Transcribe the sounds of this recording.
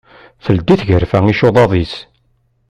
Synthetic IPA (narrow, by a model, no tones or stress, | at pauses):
θəld̪iθʝəɾfæŋiʃoðˤɑðˤis